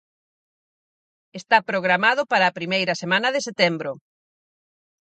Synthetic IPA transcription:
est̪apɾoɣɾamaðʊpaɾɐːpɾimejɾɐsemãnɐðeset̪ɛmbɾʊ

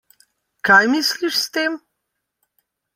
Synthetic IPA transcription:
kajmisliʃst̪eːm

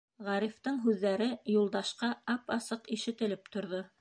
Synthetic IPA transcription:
ʁɑɾift̪ɤɴɦʉðːæɾɘjulˠd̪ɑʃqɑɑpɑsɤqiʃɘ̆t̪ɘ̆lɘp̚t̪ŏɾðo

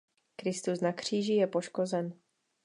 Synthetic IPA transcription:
kɾɪst̪usnakr̝̥iːʒɪjɛpo̞ʃkozɛn

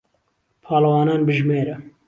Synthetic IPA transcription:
pʰɑːlɐwɑːnɑːnbɨʒmeːɾɛ

